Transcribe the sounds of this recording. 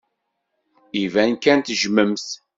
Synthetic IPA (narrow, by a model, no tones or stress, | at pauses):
ivænkænt̪ʒməmθ